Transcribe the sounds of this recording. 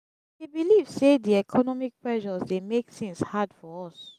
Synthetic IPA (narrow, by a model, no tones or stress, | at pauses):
debilivsediɛkʰɔnɔmik̚pɹɛʒɔzdemektĩŋshadfɔɹɔs